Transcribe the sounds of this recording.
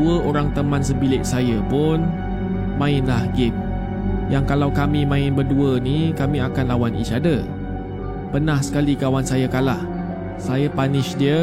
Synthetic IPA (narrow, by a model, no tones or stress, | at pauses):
uəʔoɾaŋt̪əmãnsəbilɪʔ̚sajəpʊn | mãɪnlahɡɪm̚ | jaŋkalawkamĩmãɪnbərduənikamĩakanlawanḭt͡ʃadə | pərnahsə̥kalikawansajakalah | sajapanɪʃdiə